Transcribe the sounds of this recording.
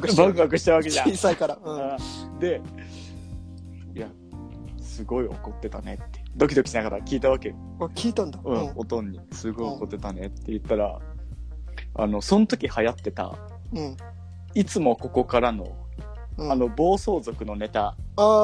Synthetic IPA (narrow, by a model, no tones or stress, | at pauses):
kɯbãɡɯakɯ̟ɕi̥t̪aβake̞ʑãisaikaɾaɯ̃ɯ̃ | d̪e̞ | ija | sɨɡo̞io̞̰ko̞t̪ːe̞t̪ane̞̰t̪ːed̪o̞kʲid̪o̞kʲi̥ɕnakat̪akʲiːt̪aβ̞ake̞ | akʲiːt̪ãnd̪aɯ̟̃o̞t̪õ̞ɲ̟ːisɨɡo̞ioko̞t̪ːe̞t̪anet̪ːe̞jɯ̟t̪ːaɾa̰ | a̰no̞sõ̞not̪o̞kʲihajat̪ːe̞t̪a̰ | ɯ̃ | it͡sɨmo̞ko̞ko̞kaɾano̞ | ɯano̞bo̞ːso̞ːzo̞kɯ̟no̞ne̞t̪aa